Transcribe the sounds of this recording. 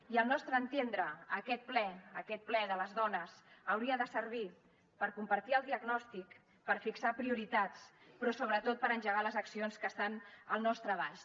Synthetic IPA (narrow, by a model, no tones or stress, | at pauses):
iəlˠnɔst̪ɾəːnt̪end̪ɾəːkɛt̪̚plɛəkɛt̪̚plɛðələzðɔnəzəwɾiəðəsəɾβi | pəɾkumpəɾt̪iəlˠd̪iəɡnɔst̪ik | pəɾfiksapɾiuɾit̪at͡spɾɔsoβɾət̪ot̪̚pəɾənʲʒəɣaləzəksionskəst̪anəlˠnɔst̪ɾəβaʃ